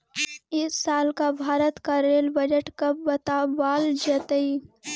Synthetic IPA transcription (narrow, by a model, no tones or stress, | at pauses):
ɪsːaːlkabʱaːɾət̪kaɾeːlbəd͡ʒəʈkəbɐt̪abaːld͡ʒət̪əi